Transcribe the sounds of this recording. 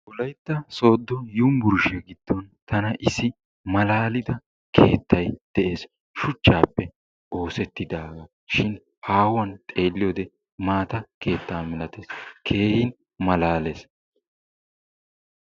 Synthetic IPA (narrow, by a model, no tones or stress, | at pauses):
ʊlɐjt̪ːɐso̞ːd̪ːɔjʊmbʊɾʊʃɛɡɪd̪̥ːɔnt̪ɐnɐʔɪsːɪ | mɐlaːlɪd̪ɐ | kʰe̞ːt̪ːɐjd̪̥ɛʔe̞ːs | ʃʊt͡ʃːaːpːɛ | o̞ːsɛt̪ːɪd̪aːɡɐ | ʃɪn | haːwɐnt̪ʼe̞ːlːɪjoːd̪ɛ | maːt̪ɐke̞ːt̪ːaːmɪlɐt̪eːskʰe̞ːhɪn | mɐlaːleːs